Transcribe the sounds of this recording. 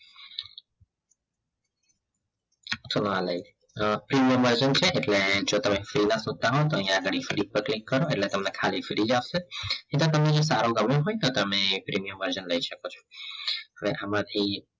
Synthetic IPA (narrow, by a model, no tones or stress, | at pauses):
t̪ʰonãləj | pɾimijəmʋəɾd͡ʒənt͡ʃʰeʔeʈled͡ʒot̪əmefɾinasũd̪̚t̪aɦɔt̪oə̃ɦĩjãːɡəɽifɾik̚pəɾklikːəɾoeʈlet̪əmnekʰalifɾid͡ʒaʋseĩt̪ot̪əmnes̬a̰ɾoɡəmeɦojt̪ot̪əmepɾimijəmʋəɾd͡ʒənləiʃəkot͡ʃʰɔ̥ | əʋeʔamãt̪ʰi